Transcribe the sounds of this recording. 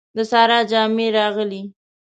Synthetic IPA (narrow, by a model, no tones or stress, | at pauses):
d̪əsɑɾɑd͡ʒɑmeɾɑɣəli